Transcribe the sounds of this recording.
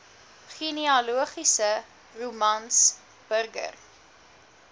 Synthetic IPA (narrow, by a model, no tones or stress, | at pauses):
χiniɑluəχisə | rumɐns | b̥ərɡə̰r